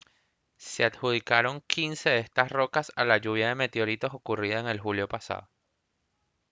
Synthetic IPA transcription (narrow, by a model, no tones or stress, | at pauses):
se̞at̪xuð̞ikaɾo̞ŋkʰinse̞ðest̪asro̞kasalaʝuβ̞jaðe̞me̞t̪eo̞ɾit̪o̞so̞kuriðaeŋe̞lxuljo̞pasa̰ð̞o